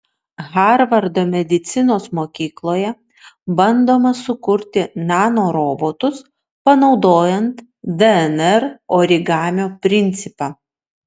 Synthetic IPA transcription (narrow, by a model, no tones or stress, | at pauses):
ɣɑɾʋɐɾd̪oːmʲɛd̪ʲɪt̪sʲɪnoːsmoːkʲiːklˠoːjɛ | bɐnd̪oːmɐsʊkʊɾʲt̪ʲɪnɑːnoːɾoːboːt̪ʊs | pɐnɒʊd̪oːjɛnt̪ | d̪ɛɛnɛɾoːɾʲɪɡɑːmʲoːpʲɾʲɪnʲt̪sʲɪpɑː